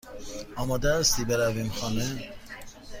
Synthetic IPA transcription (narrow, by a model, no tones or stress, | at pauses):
ɒːmɒːd̪æst̪iːbeɾæviːmxɒːne